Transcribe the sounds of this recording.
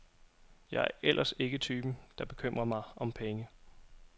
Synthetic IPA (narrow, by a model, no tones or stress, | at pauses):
jɑ̈æɐʔelʔɐse̝ɡ̥ət͡sʰyːb̥n̩d̥ɑ̈b̥e̝kʰøm̰ʁɐmɑ̈ɪɒ̽mpʰeŋə